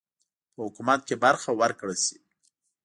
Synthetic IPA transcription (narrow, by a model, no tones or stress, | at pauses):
pəhʊkumat̪̚kebaɾxawaɾkɽəsi̥